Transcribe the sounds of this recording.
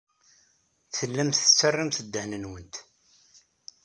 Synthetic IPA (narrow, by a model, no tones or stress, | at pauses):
θəlːæmθət͡sːərːamθəd̪ːəhnənwənt̪